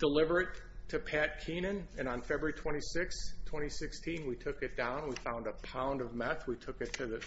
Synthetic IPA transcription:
d̥əlɪvə˞ɨtʰ | ɨpʰæt̚kʰĩnɨ̃nɨ̃ñnfɛbɹə˞itʰw̥ɛ̃ɾ̃isɪkstʰw̥ɛ̃ɾ̃isɪkstʰĩnwitʰʊkɨt̚d̥ãʊ̃nwifãʊ̃ndəpʰãʊ̃ndʌvmɛθwitʰʊkɨtʰɨðɨ

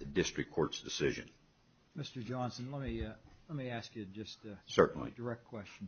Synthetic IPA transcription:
ɨdɪstɹ̥ɨkʰːɔɹtsd̥ɨsɪʒɨ̰̃n | mɪstə˞d͡ʒɑ̃nsn̩lɛt̚milɛt̚miæskjɨd͡ʒʌstsɜ˞ʔn̩lḭdə˞ɛk̚t̚kʰw̥ɛst͡ʃn̩

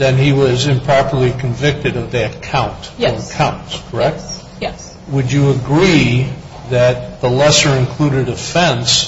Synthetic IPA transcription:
ðɨ̃niwʌzɨ̃mpʰɹ̥ɑpə˞lˠikʰɨ̃ɱvɪk̚tɨɾʌvðiɨkʰãʊ̃ntə˞əkʰãʊ̃ntskʰə˞ɛk̚t̚ | wəd͡ʒɨəɡɹi | ðɨt̪̚ðəlɛsə˞ɨ̃nkʰl̥uɾɨɾɨfɛ̃ns

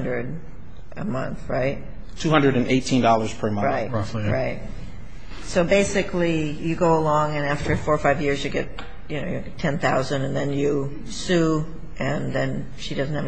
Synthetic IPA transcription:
ndɹɨd | ʔə̰mʌ̰̃nθɹaɪt̚ | tʰʉhʌ̃ndɨɾɨ̃neɪtʰĩndɔlˠə˞z̥pʰə˞mʌ̃ɹaɪtɹaɪt̚ | soʊbeɪsɨkʰlijɨɡoʊəlɔ̃ŋɨ̃næftʰə˞fɔɹfaɪvjɪɹzjɨɡɛt̚ | jɨnoʊjɨtʰɛ̃nθaʊzɨ̃ndɨ̃nðɨ̃njɨ | sʉ | ʔɨ̃nðɨ̃n | ʃidʌzn̩thɨv

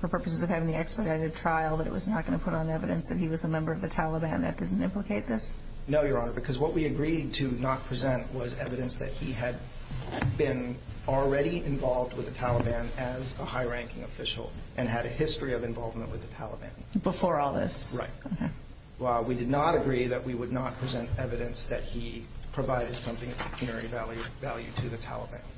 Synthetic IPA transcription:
fə˞pʰɜ˞pɨs̬ɨzʌv̥hævɪ̃ŋðiɛkspə˞ɾaɾɨd̚tʰɹ̥aɪl̩ˠðəɾɨ̰ʔ̚wʔʌznət̚ɡ̥ʌñɨpʰʊɾn̩ðiɛvɨɾɨ̰̃nsðɨt̚hiwʌzəmɛ̃mbə˞ʌvðɨtʰælˠəbæ̃nðɨ̰t̚d̥ɪdⁿn̩tɪ̃mpləkʰeɪt̪̚ðɪs | noʊjə˞ɑnə˞bɨkʰʌzwʌtʔ̚wiɨɡɹid̚tʰɨnət̚pʰɹ̥izɛ̃nʔwʌzɛvɨɾɨ̃nsðɨ̰t̚hiɨd̚ | bɪ̃n | l̩ˠɹɛɾiɪ̃ɱvɑlˠvd̚wɨðɨtʰælˠəbæ̃nɨzəhaɪɹæ̃ŋkɪ̰̃ŋɨfɪʃl̩ˠʔɨ̃nɨɾɨhɪstɹ̥iʌvɨ̃ɱvɑlˠvmə̃nʔwɨðɨtʰælˠəbæ̰̃nb̥əfɔɹɔlˠðɪ̰sɹaɪt̚k | widɨdⁿnəɾɨɡɹiðɨʔ̚wiwədⁿnət̚pʰɹ̥izɛ̃ntɛvɨɾɨ̃nsðɨt̚hipʰɹ̥ɨvaɪɾɨd̥sʌ̃mθɪ̃ŋʌ̥ɨpʰj̥ɨnɛɹivælˠjʉvælˠjʉ̰ɾɨðɨtʰæ̰lˠə̰bæ̰̃n

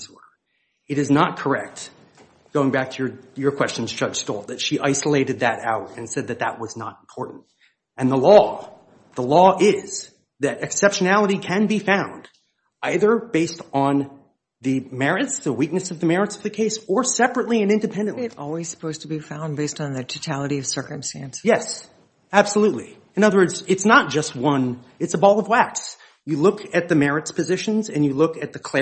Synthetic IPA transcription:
zwə˞ | ɨɾɨznət̚kʰə˞ɛk̚t | ɡ̥oʊɪ̃ŋbæk̚tʰɨjə˞jə˞kʰw̥ɛst͡ʃn̩zd͡ʒʌd̥ʒ̥stɔ̰lˠt̪̚ðɨtʃiʔaɪsəleɪɾɨd̪̚ðɨɾa̰ʊɾɨ̃nsɛd̪̚ðɨt̪̚ðə̰ʔ̚wʌznə̰ɾm̩pʰɔɹʔn̩t̚ | ɨ̃nðəlɔ | ðəlɔɪz̥ | ðɨɾɨksɛpʃɨnælˠəɾikʰɨ̃nbifãʊ̃nd | aɪðə˞beɪstn̩ | ðɨmɛɹɨtsðəwik̚nɨsʌvðɨmɛɹɨtsʌvðɨkʰeɪsə˞sɛpɹɨtˡliɨ̃nɪ̃ndɨpʰɛ̃ndɨ̃nɪɾɔ̰lˠwiz̥sə̥pʰoʊz̥tʰəbifãʊ̃nbeɪstn̩ðɨtʰoʊtʰælˠəɾiʌv̥sɜ˞kɨ̃mstæ̃nsjɛs | æb̥səlutˡlḭ | ɨ̃nʌðə˞wɜ˞dzɨtsnət̚d̥ʒ̥ʌst̚wʌ̃n | ɨtsəbɔlˠʌvwæks | jɨlʊkʰɨt̪̚ðɨmɛɹɨtspʰɨzɪʃɨ̃n̩zɨ̃njɨlʊkɨt̪̚ðɨkʰl̥ɛ

